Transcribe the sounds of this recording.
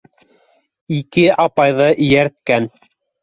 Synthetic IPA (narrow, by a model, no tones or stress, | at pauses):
ikɘʔɑpɑjðɤʔɘ̆jæɾt̪̚kæn